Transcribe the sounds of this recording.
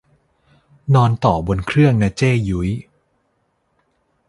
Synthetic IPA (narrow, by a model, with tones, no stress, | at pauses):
nɔː˧nt̪ɔː˨˩bo˧nkʰɾɯ˥˩əŋna˦˥t͡ɕeː˥˩ju˩˦j